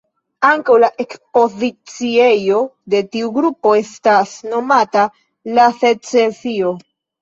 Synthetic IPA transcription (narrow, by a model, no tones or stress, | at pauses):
aŋkawlaʔe̞kspo̞zit͡sie̞jo̞de̞tiuɡɾupo̞e̞stasno̞mata | lase̞t͡sesio̞